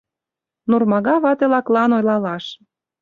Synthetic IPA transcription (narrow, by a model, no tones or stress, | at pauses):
nurmɑɣɑβɑt̪elɑklɑnojlɑlɑʃ